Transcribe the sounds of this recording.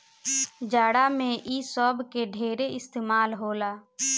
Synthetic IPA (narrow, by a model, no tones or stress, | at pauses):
d͡ʒaːɽamẽʔiːsɔːbkeɖʱeːɾeɪst̪eːmaːlɦoːlaː